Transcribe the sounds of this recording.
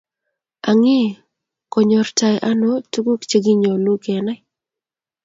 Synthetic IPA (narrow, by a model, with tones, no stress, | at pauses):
a˨ŋɪ˦˨ | kɔ˨ɲɔ˨ɾta˨jʔa˦no˦tu˦ɡu˦kt͡ʃe˦ɡi˦ɲo˨lu˦kɛ˨nɛ˦